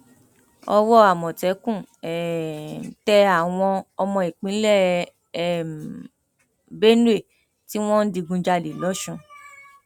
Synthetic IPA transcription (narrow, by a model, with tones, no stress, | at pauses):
ɔ˧wɔ˦a˨mɔ̃˨tɛ˨˦kũ˦˨ɛ˨ | tɛ˧a˦˨w̃ɔ̃˧ɔ˧mɔ̃˧i˨k͡pĩ˨˦lɛ˦˨ | m | be˦n˦e˦˨ | ti˦w̃ɔ̃˦n̩˦di˧ɡũ˧d͡ʒa˧de˨lɔ˨˦ʃũ˧